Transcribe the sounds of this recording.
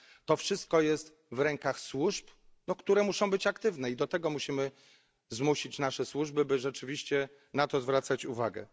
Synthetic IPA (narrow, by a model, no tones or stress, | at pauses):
t̪ɔfʂɘst̪̚kɔjɛst̪ | vɾɛŋkaxswuʐpnɔkt̪uɾɛmuʂɔ̃w̃bɘt͡ɕakt̪ɘvnɛid̪ɔt̪ɛɡɔmuɕimɘ | zmuɕit͡ɕnaʂɛswuʐbɘbɘʐɛt͡ʂɘvʲiɕt͡ɕɛ | nat̪ɔzvɾat̪sat͡ɕuvaɡɛ̰